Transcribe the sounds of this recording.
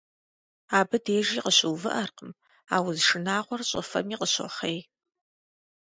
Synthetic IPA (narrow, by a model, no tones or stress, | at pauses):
aːbɨdeːʒiːqəɕɨwvɨ̰ʔɐrqəm | a̰ːwzʂɨnaːʁʷɔrɕʼɐ̰fɐ̰miːqəɕɔ̰χej